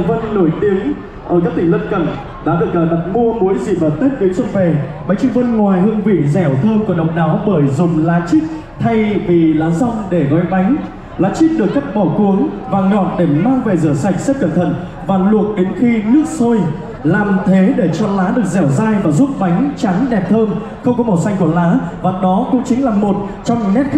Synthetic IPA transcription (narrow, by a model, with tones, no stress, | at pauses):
və˧nno˧˩jt̪i˨˦əŋ | ʔəː˧˩kaː˦˥t̪ʰï˧˩ŋ̟lə˧nkə˧˩n | ɗa̰ː˨˦ɗɨ˨˩ək̚ləː˨˩ɗa˨˩t̚mo˧mu˨˦jzi˨˩ɓəː˨˩t̪e˦˥t̚ɗi˨˦nsə˧wŋ͡mve˨˩ɓa˨˦ŋ̟t͡ɕi˦˥ŋ̚və˧nŋwaː˨˩jɦɨ˧əŋvḭ˧˨ənzɛ˧˩˨t̪ʰəː˧wku˧˩əɗə̰˨˩wŋ͡m̚ɗaː˨˦wɓəː˧˩jzʊ˨˩ŋ͡mlaː˨˦t͡ɕï˦˥k̚ | t̪ʰa˧jvi˨˩laː˨˦zɔ˧wŋ͡mɗe˧˩ɣɔ˨˦jɓa˨˦jŋ̟ | laː˨˦t͡ɕi˦˥k̚ɗɨ˨˩əkːa˦˥p̚ɓɔ˧˩ku˨˦əŋvaː˨˩ŋɔ̰˧˨˩t̚ɗe˧˩maː˧wve˨˩zɨ̰˧˩əsa˨˩jk̟̚se˦˥p̚kə˧˩nt̪ʰə̰˧˩˨n | vaː˨˩lu˨˩ət̚ɗe˨˦nxi˧nɨ˦˥ək̚sə˧j | laː˨˩mt̪ʰe˨˦ɗe˧˩t͡ɕɔ˧laː˨˦ɗɨ˨˩ək̚zɛ˧˩wzaː˧jvaː˨˩zu˦˥p̚ɓa˨˦jŋ̟t͡ɕa˨˦ŋɗɛ˨˩p̚t̪ʰəː˧m | xə˧wŋ͡mkɔ˨˦ɓɔ˨˩wsa˧jŋ̟ku˧˩əlaː˨˦vaː˨˩ɗɔ˨˦kʊ̰˧˥ŋ͡mt͡ɕï˨˦ŋ̟laː˨˩mo˨˩t̚t͡ɕɔ˧wŋ͡mŋɛ˦˥t̪̚ʰ